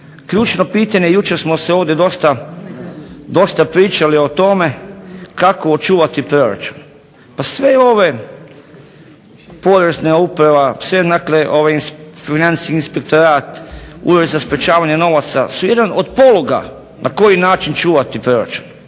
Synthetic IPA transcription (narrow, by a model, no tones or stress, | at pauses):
kʎuːt͡ʃno̞piːt̪aɲejut͡ʃeɾsmoseoːʋd̪jed̪o̞st̪a | d̪o̞st̪apɾiːt͡ʃalio̞t̪o̞me̞kakoot͡ʃuːʋat̪ipɾo̞ɾa̰t͡ʃu̥n | pasʋeo̞ʋe | po̞d̪ɾeznaupɾaʋasʋenakleʔo̞ʋajinfinansi̥kiinspek̚t̪oɾaːt̪ṵːɾozaspɾet͡ʃaːʋaɲeno̞ʋat̪sa̰sujed̪anod̪po̞loɡa̰ | nʔako̞jinaːt͡ʃint͡ʃuːʋat̪ipɾo̞ɾa̰t͡ʃu̥n